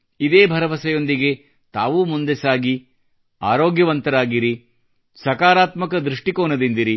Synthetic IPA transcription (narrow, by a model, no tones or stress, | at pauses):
id̪eːbʱɐɾɐʋɐsɐjo̞nd̪iɡe̞ | t̪aːʋuːmund̪esaːɡi | a̰ːɾoːɡjɐʋɐnt̪ɐɾaːɡiɾi | sɐkaːɾaːt̪mɐkɐd̪ɾuʂʈikoːnɐd̪ind̪iɾi